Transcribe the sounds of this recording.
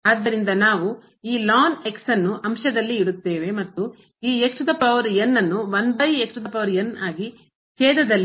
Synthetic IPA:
aːd̪ːɐɾind̪ɐnaːʋu | iːlaːneksɐnːuʔɐmʃɐd̪ɐlːiiɽut̪ːeːʋe̞mɐt̪ːu | iːekʈud̪ɐpɐʋɐɾjɐnːɐnːuʋɐnbɐjeksʂud̪ɐpɐʋɐɾjɐnaːɡi | t͡ʃɛːd̪ɐd̪ɐlː

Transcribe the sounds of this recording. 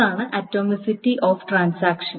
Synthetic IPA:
aːɳɨʔɐtːoːmisitːiʔoːfʈraːnsaːkʂɐ

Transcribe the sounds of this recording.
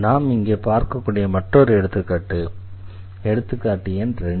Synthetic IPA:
naːmɪŋɡeːpaːɾkɐkːuːɽɪjɐmɐʈrɔɾɯɛɽɯt̪ːɯkːaːʈːɯ | ɛɽɯt̪ːɯkːaːʈːɪjɐnɾɛ

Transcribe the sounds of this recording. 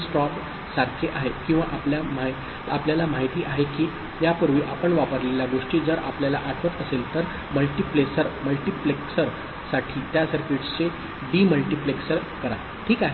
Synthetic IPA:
sʈɔp | saɾkʰeʔaɦekĩw̃ʋaʔapljamaɦ | a̰pljalamaɦit̪iːʔaɦekiː | japəɾʋiːʔapəɳʋapəɾleljaɡoʂʈiːd͡zəɾa̰pljala̰ʔaʈ̪ʰʋət̪əselt̪əɾ | məlʈiplesəɾməlʈipleksəɾ | saʈʰiːt̪jasəɾkiʈt͡se | biːməlʈipleksəɾkəɾa | ʈʰiːkaɦe

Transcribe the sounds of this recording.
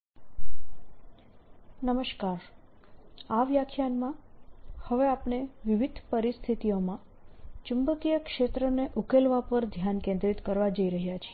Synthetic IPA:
nəməʃkaɾ | aʋjakʰjanmãhəʋeapɳeʋiʋid̪ʱpəɾist̪ʰit̪ijomã | t͡ʃumbəkijəkʃet̪ɾəneʔukelʋapəɾd̪ʱjankẽnd̪ɾit̪kəɾʋad͡ʒəiɾəɦjat͡ʃʰee

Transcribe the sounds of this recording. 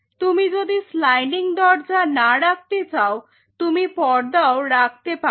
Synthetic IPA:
t̪umid͡ʑod̪islajniŋd̪ɔɾd͡ʑanaɽak̚t̪et͡ɕao | t̪umipɔɾd̪aoɾak̚ʰt̪epa

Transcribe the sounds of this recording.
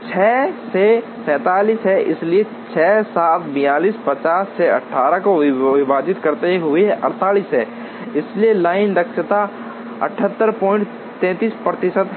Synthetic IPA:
t͡ʃʰɛːse | sɛ̃ːt̪aːliːsɦɛʔɪslie | t͡ʃʰɛːsaːt̪bɪ̃jaːliːspɐt͡ʃaːsːeɐ̰ʈʰːaːɾəkoʋɪɪʋaːd͡ʒɪt̪kɐɾt̪eɦʊeɦɛʔɐ̰ɾt̪aːliːsɦɛː | ɪslielaːɪnɾɐkʃət̪a | ɐ̰ʈʰət̪ːəɾpɔ̃ːɪ̃ɳʈ | t̪ɛ̃ːt̪iːspɾət̪ɪsəd̪

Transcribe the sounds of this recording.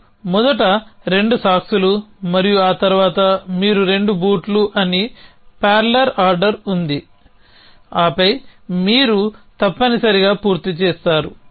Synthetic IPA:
mɔd̪ɐʈɐɾe̞ɳɖusaːksulumɐɾijuaːt̪ɐɾuʋaːt̪ɐmiːɾuɾe̞ɳɖubuːʈluʔɐnipaːɾlɐɾaːɾɖɐɾund̪i | aːpɐjmiːɾut̪ɐpːɐnisɐɾiɡaːpuːɾt̪it͡ʃɛːst̪aːɾu

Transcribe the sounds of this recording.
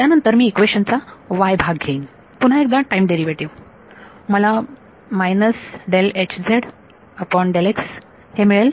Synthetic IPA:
t̪janənt̪əɾmiːkʋeɕənt͡saʋajbʱaɡɡʱeiːn | pun̤aek̚d̪ãʈajmɖeɾiʋeʈiʋ | məla | majnəsɖelet͡ɕd͡zʱeɽ | əpɔɳɖeleks | hemiɭel

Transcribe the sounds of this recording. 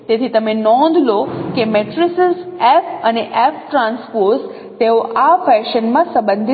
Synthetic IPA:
t̪et̪ʰit̪əmenɔ̃nd̪ʱlokemɛʈɾɪsəsɛfəneʔɛfʰʈɾãnspoɾs | t̪eoʔafɛʃənmãsə̃mbənd̪ʱi

